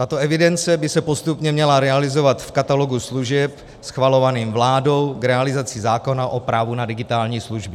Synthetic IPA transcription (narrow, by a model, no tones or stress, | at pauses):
t̪at̪o̞ɛvɪdɛnt͡sɛbɪsɛpo̞st̪upɲɛmɲɛlaɾɛalɪzo̞vat̪fkat̪alo̞ɡusluʒɛp | sxvalo̞vaniːmvlaːdo̞wkɾɛalɪzat͡sɪzaːko̞naʔopɾaːvunadɪɡɪt̪aːlɲiːsluʒbɪ